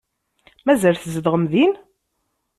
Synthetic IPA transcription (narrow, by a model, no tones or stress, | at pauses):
mæzælθzəðʁəmðin